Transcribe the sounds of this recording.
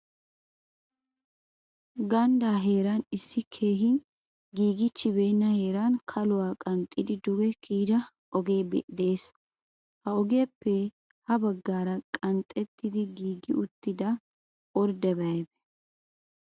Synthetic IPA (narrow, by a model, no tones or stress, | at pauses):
ɡɐnd̪aːɦe̞ːɾɐnɪsːɪkʰe̞ːɦɪn | ɡiːɡɪt͡ʃːɪbenːɐhe̞ːɾɐnkʰɐlʊwaːkʼɐnt̪ʼːɪd̪ɪd̪ʊɡɛkʰiːd͡ʒɐ | ʔɔɡe̞ːbɛ̰ʔd̪e̞ːs | hɐɔɡeapːɛ | hɐbɐɡːaːɾɐkʼɐnt̪ʼːɛt̪ːɪd̪ɪɡiːɡɪʊt̪ːɪd̪ɐ | ɔɾd̪ɛbɛjbɛ̥